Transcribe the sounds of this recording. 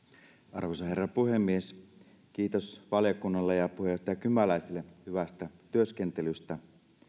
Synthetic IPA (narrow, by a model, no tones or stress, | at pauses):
ɑ̰rʋosɑhe̞rːɑpuhemːies | k̟iːt̪o̞sʋɑljɑkunːɑlːejɑpuhejoht̪ejɑkymːælæjsilːehyʋæst̪æt̪yøsk̟ent̪elyst̪æ